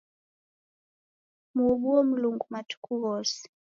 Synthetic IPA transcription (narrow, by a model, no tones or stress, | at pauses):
muɔbuɔm̩luŋɡumatu̥kuɣɔsi̥